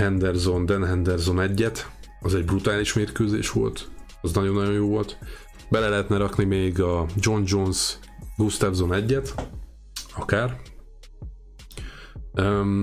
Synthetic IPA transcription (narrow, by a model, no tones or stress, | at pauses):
hɛnd̪ɛrzo̞nd̪ɛnɦɛnd̪ɛrzo̞nɛɟːɛt̪ɒzɛɟbrut̪aːliʃmeːrkøːzḛːʃʋo̞̰lt̪ | ɒznɒɟo̞nːɒɟo̞jjoːvo̞lt̪ | bɛlɛlɛɦɛt̪nɛɾɒknimeːɡɒd͡ʒo̞nd͡ʒo̞nz | ɡust̪avzo̞nɛɟːɛt̪ | ɒkaːr | ø